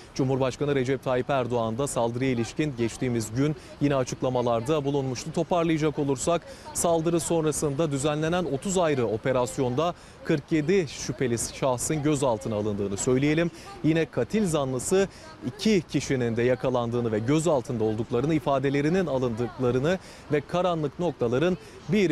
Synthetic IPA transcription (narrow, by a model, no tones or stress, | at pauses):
d͡ʒumhuɾbaʃkanɯɾe̞d͡ʒɛp̚t̪ʰaːjipæɾd̪o̞and̪asalˠd̪ɯɾɯjailʲiʃcinɟɛt͡ʃt̪ʰiːmizɟyn | jinɛat͡ʃʰɯklˠamalˠaɾd̪abulˠunmuʃt̪ʰat̪ʰo̞paɾlˠɯjad͡ʒako̞lˠuɾsaksalˠd̪ɯɾɯso̞nɾasɯnd̪ad̪yzænlʲe̞næno̞t̪ʰuzajɾɯo̞pe̞ɾasjo̞nd̪a | kʰɯɾkje̞d̪iʃypʰe̞lʲisʃahsɯnɟø̞zalˠt̪ʰɯnɯalˠɯnd̪ɯːnɯsø̞jlʲeje̞lʲimjinɛkʰat̪ʰilʲzanlˠɯsɯ | icʰicʰiʃinind̪ɛjakʰalˠand̪ɯːnɯvɛɟø̞zalˠt̪ʰɯnd̪ao̞lˠd̪uklˠaɾɯnɯifaːd̪e̞lʲe̞ɾininalˠɯnd̪ɯklˠaɾɯnɯ | vɛkʰaɾanlˠɯkno̞k̚t̪ʰalˠaɾɯn | biɾ